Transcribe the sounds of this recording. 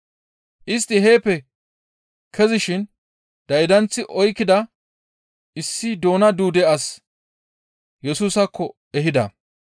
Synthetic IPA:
ʔɪst̪ːɪɦe̞ːpːɛ | kʰɛzɪʃɪn | d̪ɐjd̪ɐnt͡sːɪʔɔjkːɪd̪ɐ | ʔɪsːɪd̪o̞ːnɐd̪uːd̪ɛɐs | jɛsuːsɐkʰːɔ | ɛɦɪd̪ɐ

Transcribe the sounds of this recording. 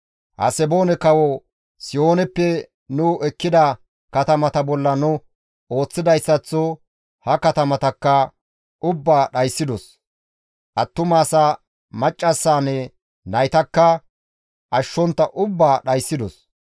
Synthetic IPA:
hɐ̰sɛbo̞ːnɛkɐwɔ | sɪjo̞ːnɛpːɛ | nʊʔɛkːɪd̪ɐ | kɐt̪ɐmɐt̪ɐbɔlːɐnʊ | o̞ːt͡sːɪd̪ɐjsːɐt͡sːɔ | hɐkɐt̪ɐmɐt̪ɐkːɐ | ʔʊbːaːɗɐjsːɪd̪ɔs | ʔɐt̪ːʊmaːsɐ | mɐt͡ʃʼːɐsːaːnɛ | nɐjt̪ɐkːɐ | ʔɐʃːɔnt̪ːɐʔʊbːaːɗɐjsːɪd̪ɔs

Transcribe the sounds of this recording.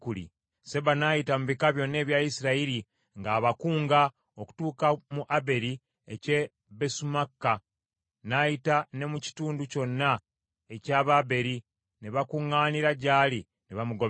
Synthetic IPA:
kulḭ | se̞βanaːjitamuβikaβjo̞nːe̞ːβjajisiɾaiɾi | ŋɡaːβakuːŋɡa | o̞ku̥tuːkamuʔabe̞ɾi | ece̞ | besumakːa | najitane̞muci̥tuːnduco̞nːa | e̞caːβabe̞ɾi | neβakuŋːaːniɾaɟaːli | neβamuɡo

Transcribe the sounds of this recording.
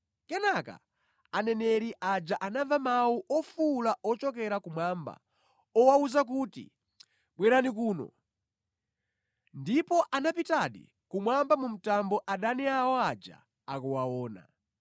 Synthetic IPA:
kɛnaka̰ | anɛnɛɾiʔad͡ʒaʔanavamawuʔɔfulaɔt͡ʃɔkɛɾakumwamba̰ | ɔwauzak̬utḭ | ɓwɛɾanik̬uːnɔ̰ | ndipɔʔanapitaɗḭ | kumwambamum̩tambɔʔaɗaniawɔad͡ʒa̰ | akuwawɔːna̰

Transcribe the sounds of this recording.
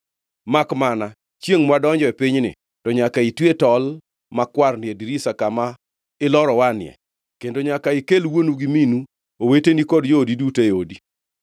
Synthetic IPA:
makmana | t͡ʃeŋmwadɔɲd͡ʒɔɛpɪɲnɪ̰ | tɔɲakaitwetɔl | makwarnɪediɾisakama | ɪlɔɾɔwanɪɛ̰ | kendoɲakaɪkelwonuɡiminu | owetenikɔdjodidutejodi

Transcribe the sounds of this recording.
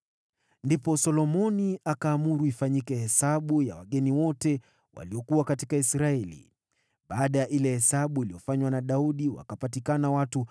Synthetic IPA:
ndipɔsɔlɔmɔniʔakaːmuɾuifaɲikɛhɛsaɓuja̰waɠɛniwɔtɛ | wʔa̰liɔkuwakatikaisɾaɛlḭ | ɓaːɗajaʔilɛhɛsaɓuiliɔfaɲwanaɗauɗiwa̰kapatikanawatu

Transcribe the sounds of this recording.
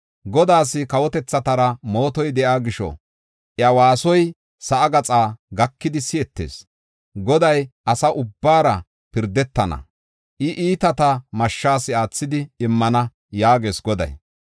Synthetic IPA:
ɡɔd̪aːs̬ɪkɐwɔt̪ɛt͡sːɐt̪ɐɾɐmo̞ːt̪ɔjd̪ɛʔaːɡɪʃɔ̰ | ʔjɐwaːsɔj | sɐʔːɡɐt͡sʼaːɡɐkːɪd̪ɪsɪɛt̪ːḛːs | ɡɔd̪ɐjʔɐsɐʔʊbːaːɾɐ | pɪɾd̪ɛt̪ːɐnɐ̰ | ʔɪʔiːt̪ɐt̪ɐmɐʃːaːsɪaːt͡sːɪd̪ɪɪmːɐnɐ | jaːɡe̞ːsɡɔd̪ɐ̰j

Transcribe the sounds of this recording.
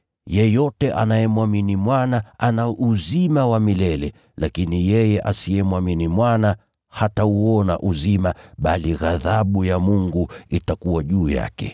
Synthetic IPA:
jɛjɔtɛʔa̰najɛmwaminimwanaanaʔuzimawamilɛlɛ | lakinijɛjɛʔasijɛmwaminimwana | hatauɔna̰ʔuzimaɓaliɣaðaɓujamuŋɡuitakuwaʄuːja̰kɛ̰

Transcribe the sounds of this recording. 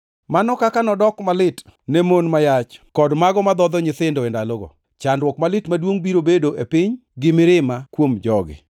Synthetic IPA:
manɔkakanɔdɔkmalɪtnɛmonmajat͡ʃkɔdmaɡɔmad̪ɔd̪ɔɲɪt̪ɪndɔendaloɡo̰ | t͡ʃandwɔkmalɪtmadwoŋbiɾobedoʔepɪɲɡɪmɪɾɪmakwomd͡ʒɔɡɪ̰

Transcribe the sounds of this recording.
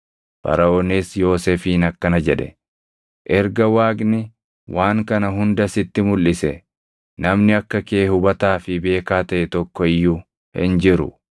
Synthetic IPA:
fɐ̰ɾɐʔoːnesjo̞ːseːfiːnɐkːɐnɐd͡ʒɛᶑɛ̥̰ | ʔɛɾɡɐwaːɡnɪ | wʔaːŋkɐnɐɦʊnd̪ɐsɪt̪ːɪmʊlːɪsɛ | nɐmnɪɐkːɐkeːhʊbɐt̪aːfɪbe̞ːkaːt̪ɐʔɛt̪ɔkːɔɪjːʊ | hɪ̰nd͡ʒɪɾʊ̰

